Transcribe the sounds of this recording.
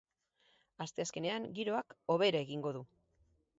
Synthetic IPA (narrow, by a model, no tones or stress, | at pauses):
ast̪e̞aske̞ne̞aŋɡiɾo̞ako̞β̞e̞ɾaeɣiŋɡo̞ðu